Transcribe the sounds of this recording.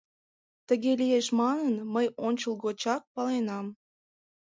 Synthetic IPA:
t̪əɣelijeʃmɑnənməjonʲt͡ɕəlˠɣot͡ɕɑk̚pɑlenɑm

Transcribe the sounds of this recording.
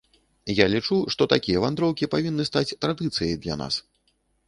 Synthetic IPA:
jalʲit͡ʂuʂt̪ɔt̪akʲijɐvand̪ɾɔwkʲipavʲinːɨst̪at͡sʲt̪ɾad̪ɨt̪sɨjɐjd̪lʲa̰na̰s

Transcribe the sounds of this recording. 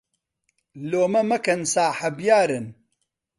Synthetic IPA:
loːmɐmɐkɐnsaːħɐbjaːɾɨn

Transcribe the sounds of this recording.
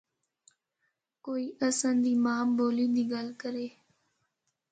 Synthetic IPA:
koːiːʔəsənd̪iːmãːboːliːd̪iːɡəlkəɾeː

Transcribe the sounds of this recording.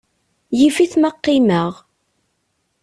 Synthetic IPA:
jifiθməqːiməʁ

